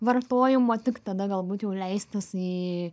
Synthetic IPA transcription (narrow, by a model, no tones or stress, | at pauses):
ʋɐrt̪oːjɪmoːt̪ʲɪkt̪ɐd̪ɐɡɐlˠbuːt̪jɛʊlʲɛɪst̪ɐsiː